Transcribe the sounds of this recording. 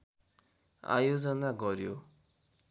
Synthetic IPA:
a̰jod͡zʌnaɡʌɾjo

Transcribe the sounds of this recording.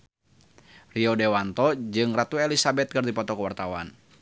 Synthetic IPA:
riɔdɛwant̪ɔd͡ʒɨŋrat̪uɛlisabɛt̪̚kɨrd̪ipɔt̪ɔkəwart̪awa̰n

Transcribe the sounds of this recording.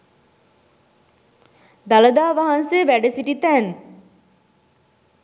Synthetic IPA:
d̪aləd̪aːʋaɦansejəʋæɖəsiʈit̪æn

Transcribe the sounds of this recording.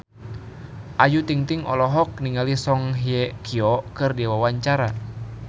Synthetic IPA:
ʔajut̪iŋt̪iŋɔ̰lɔɦɔk̚niŋalisɔŋɦiɛkʰiɔkɨrdiwawaɲt͡ʃaɾa

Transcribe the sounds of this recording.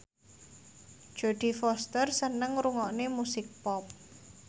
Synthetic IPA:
dd̥ʒ̥o̤d̪̥i̤fɔst̪ərsənəŋɾuŋɔʔnemusɪk̚pɔp̚

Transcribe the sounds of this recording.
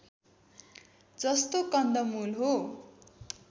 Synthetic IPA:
d͡zʌst̪okʌnd̪ʌmulɦo

